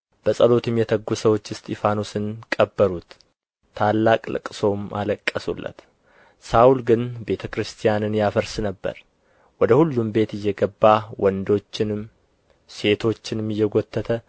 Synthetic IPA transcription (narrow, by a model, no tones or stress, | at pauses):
b̥əsʼəlo̞t̪ʰɨmjɛt̪ʰəɡːusəwot͡ʃːɨst̪ʰefanusɨnkʼəbːəɾut̪ʰː | alːakʼlɨ̰kʼɨso̞mʔa̰ləkʼːəsulːə̰t̪ | sawulɡɨnbe̞t̪ʰəkɾɨst̪ʰijanɨnjafəɾsɨnəbːə̰ɾ | wɔd̪əhulːumbe̞t̪ɨjːɛɡəbːawɔnd̪o̞t͡ʃːɪnɨm | se̞t̪ʰo̞t͡ʃːɪnmːɨjːɛɡo̞t̪ʰːət̪ʰə